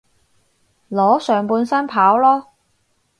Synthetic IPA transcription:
lɔː˨˥sœː˨ŋpuː˧nsɐ˥npʰaː˨˥wlɔː˥

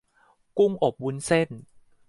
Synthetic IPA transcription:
ku˥˩ŋʔo˨˩p̚wu˦˥nse˥˩n

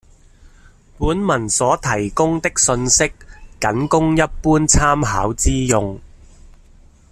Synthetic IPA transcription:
puː˨˥nmɐ˨˩nsɔː˨˥t̪ʰɐ˨˩jkʊ˥ŋt̪ɪ˥k̚sɵ˧nsɪ˥kːɐ˨˥nkʊ˥ŋjɐ˥t̚puː˥nt͡sʰaː˥mɦaː˨˥wt͡siː˥jʊ˧ŋ

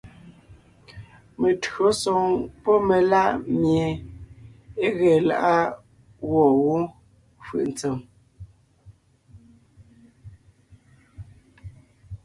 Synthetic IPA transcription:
me˨tɰo˨˦sɔ˨ŋpɔ˦me˨la˦ʔmje˨ | e˦ɣɛː˨la̰˦ʔa˦ | ɣwɔ˦˨ɣo˦ | fɯ̰˨ʔnt͡se˨m

